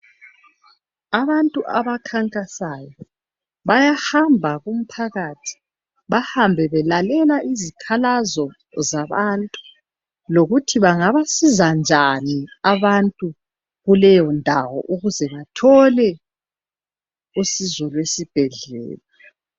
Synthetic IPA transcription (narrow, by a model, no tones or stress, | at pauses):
aβantʼuʔaβakʰaŋkʼasajɔ | βajahambʱaɣum̩pʰaɣatʰi̥ | βahambʱɛβɛlalɛlaʔizikʰalazɔ | zaβantʼu̥ | loɣutʰiβaŋaβasizand͡ʒʱaniaβantʼu | ɣulɛjɔndʱawɔ̰ʔuɣuzɛβatʰɔlɛ | usizɔlwesib̥ʱɛɮɛ̰ːla